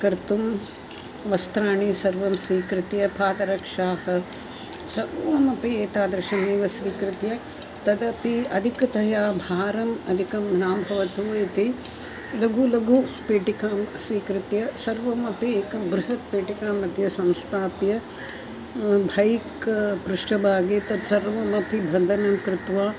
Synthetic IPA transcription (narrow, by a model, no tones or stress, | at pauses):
kɐɾt̪um | ʋɐst̪ɾaːɳisɐɾʋɐmsʋiːkɾɪt̪jɐpaːd̪ɐɾɐkʂaːhɐ̆ | sɐɾʋɐmɐpieːt̪aːd̪ɐɾʃɐneːʋɐsʋiːkɾɪt̪jɐ | t̪ɐd̪ɐpiɐd̪ʱikɐt̪ɐjaːbʱaːɾɐmɐd̪ʱikɐmnaːmbʱɐʋɐt̪uːit̪i | lɐɡulɐɡupeːʈikaːmsʋiːkɾɪt̪jɐsɐɾʋɐmɐpieːkɐbɾuɦɐt̪̚peːʈikaːmɐd̪ʱjɐsɐ̃mst̪ʰaːpjɐ | bʱɐjkpɾuʂʈɐbʱaːɡeːt̪ɐd̪sɐɾʋɐmɐpibʱɐnd̪ʱɐnɐmkɾɪt̪ʋaː